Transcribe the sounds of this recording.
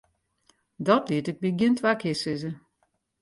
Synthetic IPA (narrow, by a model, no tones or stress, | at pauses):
dɔtliətɪk̚biɡjɪntʰʋakʰɪsɪzə